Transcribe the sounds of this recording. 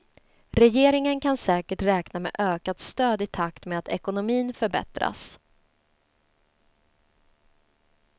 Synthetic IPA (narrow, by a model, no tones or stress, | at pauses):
ɾɛjeːɾɪŋənkʰansɛːkəʈɾɛːknamḛːʔøːkat̪st̪øːd̪ɪt̪ʰakt̪meat̪ɛkʊnʊmiːnfœɾbɛ̰t̪ɾa̰s